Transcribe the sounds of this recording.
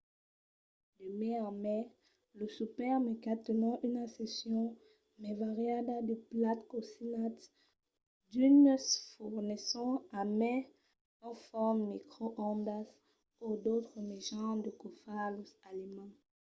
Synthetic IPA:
d̪əmɛ̃ãmɛ | ləsupɛʁmekat̪ənɑ̃ʔynãsesjɔ̃ | mɛvaʁjad̪ad̪əplat̪kosinat̪ | d̪ynsfuʁnesɔ̃amɛ̃ | ɑ̃fɔʁmːikχoʔɑ̃d̪as | od̪ot̪χəmeʒɑ̃d̪əkofalusalimɑ̃

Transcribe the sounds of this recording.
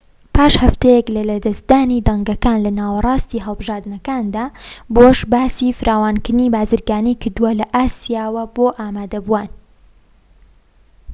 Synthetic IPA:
pʰaːʃhɐft̪ɛjɛklɐlɐd̪ɐsd̪aːnid̪ɐŋɡɐkaːnlɐnaːwɐrˤɑːst̪iːɦɐlˠbɨʒaːɾd̪ɨnɐkaːnd̪aːboʃbaːsiːfɨɾʔaːwaːnkɨɾɨnibaːzɨɾɡaːnijkɨɾd̪uwɐlɐʔaːsijaːwɐboːʔaːmaːd̪ɐbuwaːn

